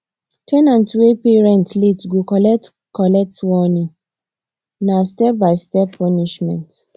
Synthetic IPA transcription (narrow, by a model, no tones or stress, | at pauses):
tʰɛnãntwepeɹɛ̃ntletɡokɔlɛt | kɔlɛk̚twɔnĩ | nastɛp̚baɪstɛpʰːɔniʃmɛ̰̃nt